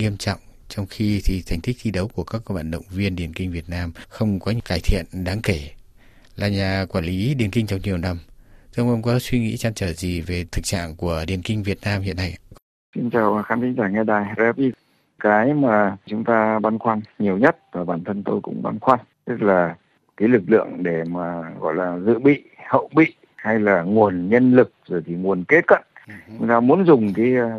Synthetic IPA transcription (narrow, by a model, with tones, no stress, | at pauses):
ŋi˧əmt͡ɕɔ̰˧˨wŋ͡m | t͡ɕɔ˧wŋ͡mxi˧t̪ʰi˨˩t̪ʰjŋ̟t̪ʰi˦˥k̚t̪ʰi˧˦ɗə˨˦wku˧˩əkaː˦˥k̚va̰ː˧˨nɗə̰˧˨wŋ͡mvi˧ənɗi˨˩ənkï˧ŋvi˨˩ət̚naː˧mxə˧wŋ͡mkɔ˨˦ɲkaː˧˩jt̪ʰḭ˧˨ənɗaː˨˦ŋke˧˩ | laː˨˩ɲaː˨˩kwaː˧˩nli˨˦ɗi˨˩ənki˧ŋ̟t͡ɕɔ˧wŋ͡mɲi˨˩əwna˧m˧ə˧ŋ͡mʔə˧wŋ͡mkɔ˨˦swi˧ŋḭ˧˥t͡ɕa˧nt͡ɕəː˧˩zi˨˩ve˨˩t̪ʰɨ˨˩k̚t͡ɕa̰ː˧˨ŋku˧˩əɗi˨˩ənkï˧ŋ̟vi˨˩ət̚naː˧mhḭ˧˨ənːa˧j | si˧nt͡ɕaː˨˩wxaː˨˦nt̪ʰi˨˦ŋzaː˧˩ŋɛ˧ɗaː˨˩jzɛ˧˦˥pi˧˦ | kaː˨˦jmaː˨˩t͡ɕʊ˨˦ŋ͡mt̪aː˧ɓa˧nxwaː˧nɲi˨˩əwɲə˦˥t̚vaː˨˩ɓaː˨˩nt̪ʰə˧nt̪o˧jkʊ̰˧˥ŋ͡mɓa̰˧nxwaː˧n | t̪ɨ˦˥k̚laː˨˩ | kaː˨˦jlɨ˨˩k̚lɨ̰˧˨əŋɗe˧˩maː˨˩ɣɔ̰˧˨jlaː˨˩zɨ̰˧˨ɓḭ˧˨hə̰˧˨wɓḭ˧˨ | ha˧jlaː˨˩ŋu˨˩ənɲə˧nlɨ˨˩k̚zo˨˩jt̪ʰi˨˩ŋu˨˩ənke˦˥t̚kə̰˧˨n | t͡ɕʊ˨˦ŋ͡mt̪aː˧mu˨˦ənzʊ˨˩ŋ͡mkaː˨˦j